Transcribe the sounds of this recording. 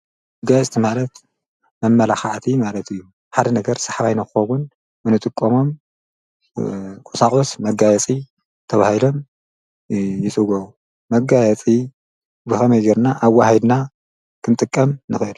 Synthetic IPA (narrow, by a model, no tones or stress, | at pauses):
mɐɡajɛt͡sʼt̪ʰimalɐt̪ | mɐmːɐlaxaʕt̪ʰimalɐt̪ɨjːu | ħad̪ɐnɐɡɐɾsḁħaβajnɐkɨxɐwʊn | bɨnɨt̪ʼɨkʼːɐmo̞m | kʼɔsakʼosmɐɡajɛt͡sʼi | t̪ʰɐβahilo̞m | jɪsʼɨɡɐu | mɐɡajɛt͡sʼi | bɨxɐmɐjɡɐɾnaʔːwːahid̪na | kʰɨnt̪ʼɨkʼːɐmnɨxɨɨl